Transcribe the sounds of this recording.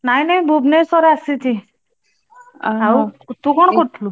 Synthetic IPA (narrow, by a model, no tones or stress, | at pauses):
nainaĩbʱubnesɔɾeasit̪ʰi | aaut̪ũkɔɳ̃kɔʈʰlu